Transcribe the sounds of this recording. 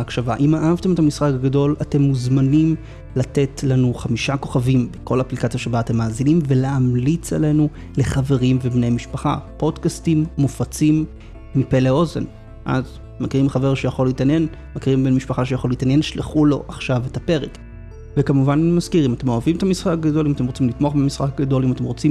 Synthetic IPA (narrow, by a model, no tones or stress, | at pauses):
akʃavaʔimaʔavte̞me̞tamisχakaɡado̞late̞mːuzmanim | latetlanuχamiʃako̞χavimbeko̞laaplikat͡sjaʃebaːtemːaːzinimveleamlit͡sa̰le̞nu | le̞χave̞ʁimvebnejmiʃpaχa̰po̞dkastimːufat͡simː | ipe̞leo̞zḛn | ʔa̰z | makiʁimχaveʁʃejaχo̞liːtanje̞n | makiʁimbe̞nmiʃpaχaʃejaχo̞liːtanje̞nʃleχulo̞̰ʔaχʃavetape̞ʁek | vekamuvanmazkiʁimatemo̞avimetamisχak̚ɡado̞limate̞mʁot͡simlitmoaχbamisχak̚ɡado̞limate̞mʁo̞t͡sim